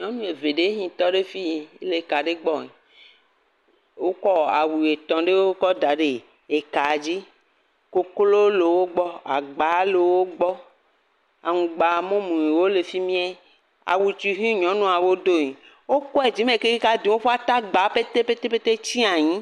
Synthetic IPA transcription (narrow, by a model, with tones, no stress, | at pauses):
ɲɔ̃˦nũ˦e˨ve˨ɖe˦ɲĩ˨t̪ɔ˦ɖe˦fi˦ɲi˨e˦le˨ka˨ɖe˦ɡ͡bɔ˦ɲi˨ | wo˦kɔ˦a˨wu˨e˨t̪ɔ̃˨ɖe˦wo˦kɔ˦d̪a˨ɖe˨ | e˨ka˨d͡ʑi˦ | ko˦klo˦le˨wo˦ɡ͡bɔ˦a̰˨ɡ͡ba˨˦le˨wo˦ɡ͡bɔ˦ | a˨ŋũ˨ɡ͡ba˨mɔ̃˦mũ˨ɲi˨wo˦le˨fi˦mĩ˦ɛ˦ | a̰˨wu˨t͡ʃi˨ɦĩ˦ɲɔ̃˨˦nũ˦a˨wo˦d̪o˦ɲĩ˨ | wo˦kɔ˦e˨d͡ʑi˦mẽ˨ke˦i˦ka˦d̪i˨wo˦fa˦t̪a˦ɡ͡ba˨˦pe˦t̪e˦pe˦t̪e˦pe˦t̪e˦t͡ɕi˦a˨ɲĩ˦